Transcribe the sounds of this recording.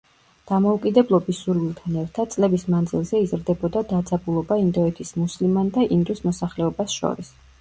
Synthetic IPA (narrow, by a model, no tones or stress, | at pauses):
d̪̥amɔukʼid̪ɛblˠɔbisːuɾwilˠt̪ʰanɛɾt̪ʰad̪̥̚t̪sʼlɛbismand̪zilˠzɛizɾd̪ɛbɔd̪ad̪ad̪zabulˠɔbaind̪ɔɛt̪ʰismuslimand̪aʔind̪usmɔsaχlɛɔbasʃɔ̰ɾis